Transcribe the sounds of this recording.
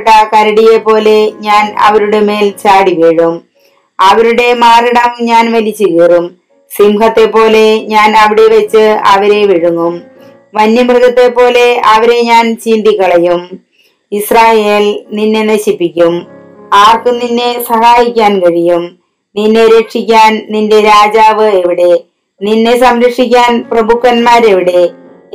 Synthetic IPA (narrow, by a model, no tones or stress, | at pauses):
ʈːɐkɐɾɐɽije̞pːo̞ːle̞ɲaːnɐ̰ʋɐɾuɽeme̞ːlt͡ɕaːɽiʋeːɻum | ɐʋɐɾuɽe̞maːriɽɐmɲaːnʋɐlit͡ɕːuɣeːrum | simɦɐt̪ːe̞pːo̞ːle̞ɲaːnɐʋiɽe̞ʋɐt͡ɕːɨɐʋɐɾe̞ʋiɻuŋːum | ʋɐnjɐmrɣɐt̪ːe̞pːo̞ːle̞ɐʋɐɾe̞ɲaːnt͡ɕiːnd̪ikːɐɭɐjum | israːjeːlninːe̞nɐɕipːikʲːum | aːrkɨninːe̞sɐhaːjikʲːaːnkɐɻijum | ninːe̞ɾekʂikʲːaːnninde̞ɾaːd͡ʑaːʋɨeʋiɽe̞ | ninːe̞sɐmɾɐkʂikʲːaːnprɐbukːɐnmaːɾeʋiɽe̞